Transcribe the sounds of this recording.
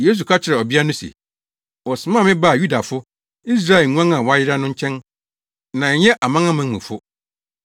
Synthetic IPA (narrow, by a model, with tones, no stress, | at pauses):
jeː˦s̬u˨kʰa˦t͡ɕʰɪ˨ɾɛ˨ɔ˨bi˦a˦nʊ̃˦sḭ˨ | ɔ˨sɪ˨mã˦˨mɪ̃˦ba˦˨ju˦da˨fʊ˦ | i˦s̬ɾa˦ɛ˨ŋũ˦ã˦ŋã˨wɔ˨˦a˦jɪ˦ɾa˦nʊ̃˦ɲ̩˦t͡ɕʰɛ̃˦n | nã˨ɛ˨jɛ˦ʔa˨mã˦ŋã˦mã˨mṵ̃˨fʊ˦